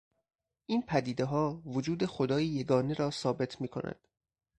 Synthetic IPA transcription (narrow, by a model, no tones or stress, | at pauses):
ʔiːnpʰæd̪iːd̪eɦɒːvod͡ʒuːd̪e̞xod̪ɒːjije̞ɡɒːneɾɒːsɒːbe̞t̪ʰmiːkʰo̞̰nʔæ̰d̪̥